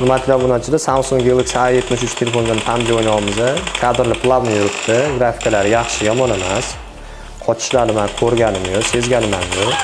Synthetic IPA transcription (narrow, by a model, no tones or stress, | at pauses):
nɪmat̪ʰɪlabʊnat͡ʃʰɪd̪ɪsamsoŋɡʲelˠɪkt͡ʃʰaaje̞t̪mɪʃʊt͡ʃʰt̪ʰelefo̞nd̪antʰamd̪ʲɪojnawɪmɪzakʲʰad̪ɪɾlɪpʰlˠabnajʊɾɪpt̪ʰɪɡɾafɪ̥kʰalaɾɪjɑχʃɪjɒmɒnemas | qʰɒt͡ʃʰɪ̥ʃlanɪmankʲʰɵɾɡʲanɪmjose̞zɡʲanɪmanjo